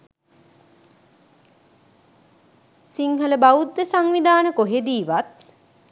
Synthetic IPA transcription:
siŋɦələbaud̪ːəsaŋʋid̪aːnəkoɦed̪iːʋat̪̚

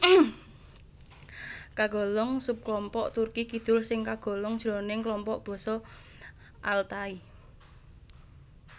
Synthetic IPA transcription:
kaɡ̥ɔ̤lɔŋsup̚klɔmpɔʔt̪urkikid̪̥ʊ̤lsɪŋkaɡ̥ɔ̤lɔŋ̥ʒ̥ɾɔnɪŋklɔmpɔʔb̥ɔ̤sɔ | ʔalt̪ai

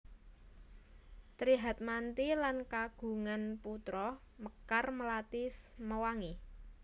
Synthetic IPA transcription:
t̪ɾiɦat̪̚mant̪ilankaɡ̥ṳŋanput̪ɾɔ | məkarməlat̪isməwaŋi

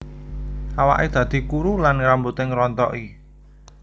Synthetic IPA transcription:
ʔawa̰ʔed̪̥ä̤d̪̥i̤kuɾulanɾambut̪ɪŋɾɔnt̪ɔ̰ʔi

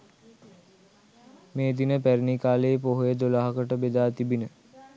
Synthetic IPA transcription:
meːd̪inəpæɾinikaːleːpoɦojəd̪olaɦakəʈəbed̪aːt̪ibinə

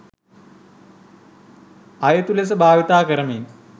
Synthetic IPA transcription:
ɐjɐt̪ules̬ɐbʱaːʋit̪aːkɐɾɐmen

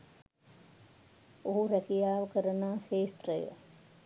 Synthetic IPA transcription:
oɦuɾækijaːʋəkəɾənaːʃeːst̪rəjə̰

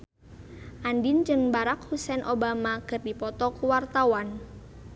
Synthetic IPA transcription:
ʔandind͡ʒɨŋbaɾakhusɛnʔobamakɨrdipɔt̪ɔkuwart̪awan

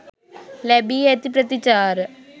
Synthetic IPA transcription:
lebiet̪ipɾɐt̪it͡ʃaːɾ

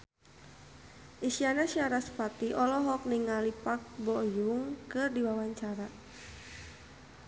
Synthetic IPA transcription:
ʔisianasiaɾasə̥pat̪iʔɔlɔɦɔk̚niŋalipak̚bɔjuŋkɨrdiwawaɲt͡ʃaɾa

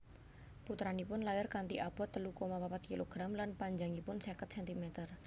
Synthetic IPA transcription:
put̪ɾanipʊnlajarkant̪iʔab̥ɔ̤t̪ːəlukomapapat̪̚kiloɡ̥ɾamlanpaɲd͡ʒaŋipʊnsekət̪̚sɛnt̪imɛt̪ər

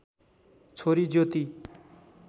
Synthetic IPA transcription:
t͡sʰoɾid͡zjot̪i

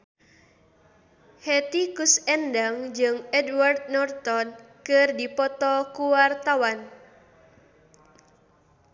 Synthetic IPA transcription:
hɛt̪ikusɛndaŋd͡ʒɨŋɛdward̪̚nɔrt̪ɔnkɨrdipɔt̪ɔkuwart̪awan

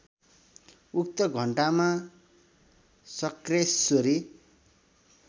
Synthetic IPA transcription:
uk̚t̪ʌɡʱʌɳʈama | sʌkressoɾi

